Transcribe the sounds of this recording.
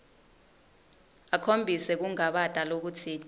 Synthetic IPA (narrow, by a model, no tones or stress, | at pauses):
akʰombʱisɛk̬uŋaɓatʼalok̬ut͡sʰi